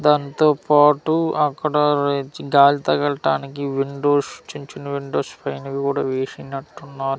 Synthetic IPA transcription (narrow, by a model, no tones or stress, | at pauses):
d̪aːnit̪o̞ːpaːʈuɐkːɐɽɐɾɡaːlit̪ɐɡɐɭɐʈaːnikiʋiɳɖoːst͡ʃiɲt͡ʃinɐʋiɳɖoːspʰɐjnkɐkuːɽaːʋeːʂinɐʈːunːaːɾu